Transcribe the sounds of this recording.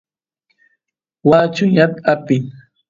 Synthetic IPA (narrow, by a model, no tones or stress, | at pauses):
waːt͡ʃʊɲat̪apɪŋ